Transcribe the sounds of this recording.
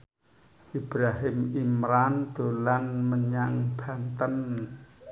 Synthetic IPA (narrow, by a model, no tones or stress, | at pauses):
ʔib̥ɾaɦɪmimɾand̪̥o̤lanməɲaŋb̥a̤nt̪ən